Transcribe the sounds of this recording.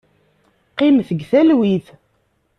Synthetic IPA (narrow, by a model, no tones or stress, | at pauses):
qɪmθəɡθælwiθ